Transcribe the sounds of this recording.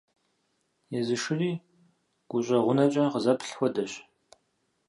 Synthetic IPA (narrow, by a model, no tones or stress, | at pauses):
jɛzɨʂɨriː | ɡ̥ʷʊɕʷʼɐʁʷʊnɐt͡ʃʼɐqəzɐpʰɬxʷɔdɐɕ